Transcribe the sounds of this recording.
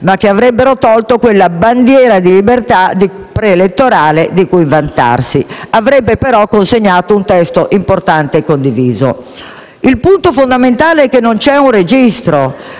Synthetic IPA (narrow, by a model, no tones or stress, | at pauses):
mak̟ːeavɾɛbːeɾot̪ɔlt̪okwelːaband̪jɛːɾad̪ilibert̪ad̪i | pɾeːlet̪ːoɾaːled̪ikuiɱvant̪a̰rsiavɾɛbːepeɾɔkːonseɲːaːt̪ount̪ɛst̪oʔimport̪ant̪ekːond̪iviːzo̰ | ilpunt̪ofond̪ament̪aːleɛkːenːont͡ʃɛunred͡ʒist̪ɾo